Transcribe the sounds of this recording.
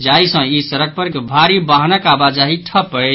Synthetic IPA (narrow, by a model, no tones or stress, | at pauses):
d͡ʒajsə̃isəɾək̚pəɾɡbʱaɾibaɦnəkabad͡ʒaɦiʈʰəpə